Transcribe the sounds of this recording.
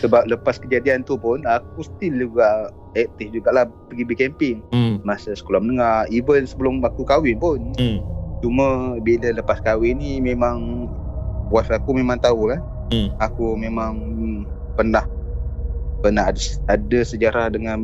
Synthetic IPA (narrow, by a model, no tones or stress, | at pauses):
səbap̚ləpaskəd͡ʒadiant̪upʊnak̚usə̥t̪ild͡ʒuɡaʔ | ɛk̚t̪ɪsd͡ʒuɡaʔlahpəɡibəkɛmpɪŋmasasə̥kolamənəŋaivənsəbəlʊmakukawɪnpʊn | t͡ʃuməbilələpaskawɪnimemaŋ | wasakumemãŋt̪aukan | akumemaŋ | pənah | pənaɦadəsəd͡ʒaɾahdəŋan